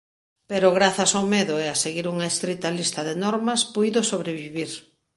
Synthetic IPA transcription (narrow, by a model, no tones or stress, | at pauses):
peɾʊɣɾaθɐsawmeðʊɛaseɣiɾuŋɐest̪ɾit̪ɐlist̪ɐðenɔɾmɐspujðʊsoβɾeβiβiɾ